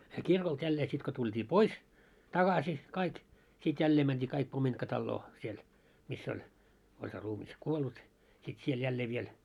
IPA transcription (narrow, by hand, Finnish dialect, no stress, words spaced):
se kirkolt jælːeː sit ko tultʲiː pois tɑɡ̊ɑsi kɑik sit jælːeː mænd̥iː kɑik pomintkɑtɑlːoː siel misː olʲ olʲ se ruːmis kuolːut sit siel jælːeː ʋiel